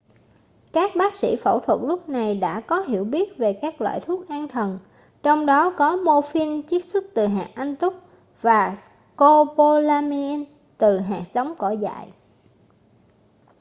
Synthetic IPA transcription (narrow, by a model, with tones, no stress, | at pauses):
kaː˦˥k̚ɓaː˦˥k̚sḭ˧˥fə̰˧˩wt̪ʰwə˨˩t̚lʊ˦˥k͡p̚na˨˩jɗa̰ː˧˥kɔ˨˦ɦi˧˩əwɓi˦˥ət̚ve˨˩kaː˦˥k̚lwa̰ː˧˨jt̪ʰu˦˥ət̚ʔaː˧nt̪ʰə˨˩n | t͡ɕɔ˧wŋ͡mɗɔ˨˦kɔ˨˦mo˧fi˧nt͡ɕi˦˥k̚swə˦˥t̚t̪ɨ˨˩ɦa̰ː˨ʔʔa˧ŋt̪ʊ˦˥k͡p̚ | vaː˨˩ | ko˧po˧laː˧mi˧ɛ˧n | t̪ɨ˨˩ɦa̰ː˧˨sə˨˦wŋ͡mkɔ˧˩za̰ː˧˨j